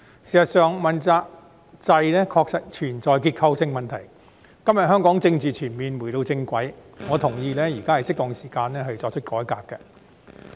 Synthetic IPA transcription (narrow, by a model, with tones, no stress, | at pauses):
siː˨˩sɐ˨˩t̚sœː˨ŋmɐ˨˩nt͡saː˧k̚ | t͡sɐ˧jlɛː˥kʰɔː˧k̚sɐ˥t̚t͡ʃʰyː˨˩nt͡sɔː˨jkiː˧t̚kʰɐ˧wsɪ˧ŋmɐ˨nt̪ʰɐ˨˩j | kɐ˥mjɐ˨t̚hœː˥ŋkɔː˨˥ŋt͡sɪ˧ŋt͡siː˨t͡ʃʰyː˨˩nmiː˨nwu˨˩jt̪o˧wt͡sɪ˧ŋkʷɐ˨˥j | ŋɔː˨˧t̪ʰʊ˨˩ŋjiː˧lɛː˥jiː˨˩kaː˥ɐ˨jsɪ˥k̚t̪ɔ˨˧ŋsiː˨˩kaː˧nlɛː˥ɦɐ˨˧ɥt͡sɔː˧k̚t͡ʃʰt̚kɔː˨˥jkaː˧kːɛ˧